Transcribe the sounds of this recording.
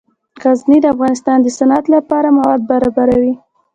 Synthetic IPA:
ɣaznid̪əafɣɑnɪst̪ɑnd̪əsanat̪lapɑɾamawɑd̪̚baɾɑbaɾawi

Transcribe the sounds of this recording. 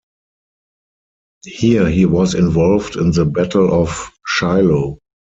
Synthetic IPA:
hiəɦiːwɔzɪ̃nvɔlvdɪ̃nðəbætʰl̩ɔfʃaɪlo

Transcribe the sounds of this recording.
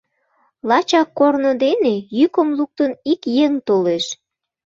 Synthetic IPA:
lɑt͡ɕɑkːornod̪enejykəmluk̚t̪ənikjeŋt̪oleʃ

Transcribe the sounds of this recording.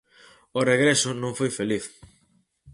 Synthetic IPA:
ʊreɣɾesʊnõŋfojfeliθ

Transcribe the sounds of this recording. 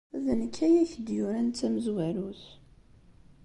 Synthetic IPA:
ðənkʰːæjæçd̪jʊɾænt͡sːæməzwæɾuθ

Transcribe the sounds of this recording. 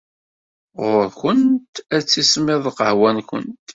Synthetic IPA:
ʁʊɾkənt̪æt͡sːismɪðˤqəhwænkʷə̰nt̪

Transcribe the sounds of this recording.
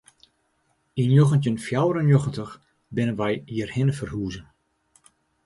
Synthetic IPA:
injoxəntjənfjawəɾənjoxəntəx | bɪnənʋɛjiərhɪnəfərhuːzən

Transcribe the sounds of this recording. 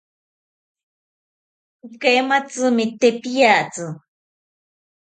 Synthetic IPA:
kejmat͡sɨmɪt̪epijat͡sɨ

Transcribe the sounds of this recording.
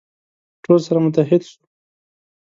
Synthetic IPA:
ʈolsaɾamʊt̪̬aɦɪd̪ʃu̥

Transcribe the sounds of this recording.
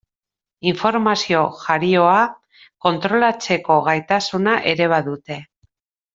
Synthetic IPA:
iɱfo̞ɾmasio̞ʝaɾio̞a | ko̞nt̪ɾo̞lat͡se̞ko̞ɣajt̪asunaʔe̞ɾe̞β̞aðut̪e̞

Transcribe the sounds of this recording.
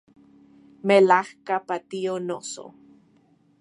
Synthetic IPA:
melahkapat̪ionoso̰

